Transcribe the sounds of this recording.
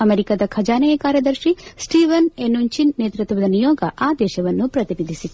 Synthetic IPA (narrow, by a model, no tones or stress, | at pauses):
ɐmeɾikaːd̪ɐkʰɐd͡ʒaːnɐjɐkaːɾjɐd̪ɐɾʃisʈiːʋɐnenuɲt͡ʃinːeːt̪ɾut̪ʋɐd̪ɐnijoːɡɐʔaːd̪ɛːʃɐʋɐnːupɾɐt̪iɾid̪ʱisi